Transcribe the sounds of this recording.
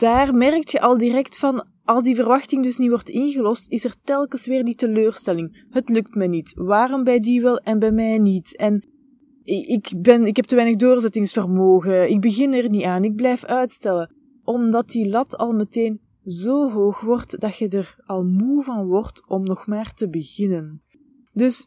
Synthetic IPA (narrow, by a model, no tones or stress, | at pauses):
d̥aːrmɛrək̚txəʔɑlˠdirɛktfɑn | ɑlˠzdivərʋɑxtɪŋdɵsniʋɔrtɪnɣəlɔstɪsɛrtɛlˠkəsʋɪːrditəløːrstɛlɪŋ | ɦətlɵk̚tmɛjnitʋaːrɔmbɛjdiʋɛlˠɛnbɛjmɛjnitɛn | ɪɪkbɛnɪkɦɛp̚təʋɛjnəɣdoːrzɛtɪŋsfərmoːɣəɪɡ̚bəɣɪnɛrniaːnɪɡ̚blɛjfœɥtstɛlə | ʔɔmdɑt̚dilɑtʰɑ̰lˠməteːn | zoːɦoːxʋɔrtd̥ɑtxədərɑlˠmuvɑnʋɔrtɔmnɔxmaːrtəbəɣɪnən | dɵs